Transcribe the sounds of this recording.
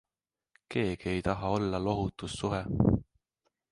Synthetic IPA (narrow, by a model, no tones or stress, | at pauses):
ke̞ːɡ̥ie̞jt̪ɑɦɑo̞lːɑlo̞ɦut̪ːˑusːuɦe